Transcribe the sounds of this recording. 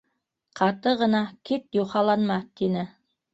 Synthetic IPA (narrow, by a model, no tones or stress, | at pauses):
qʰɑt̪ɤʁɤ̆nɑkit̪juχɑlˠɑnmɑt̪inɘ